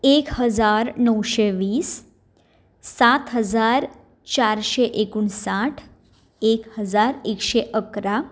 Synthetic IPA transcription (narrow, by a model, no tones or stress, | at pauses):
ekɦəd͡zaɾnəwɕeʋiːs | at̪ɦəd͡zaɾ | t͡ɕaɾɕeʔekuːɳsaʈʰ | ekhəd͡zaɾekɕeʔəkɾa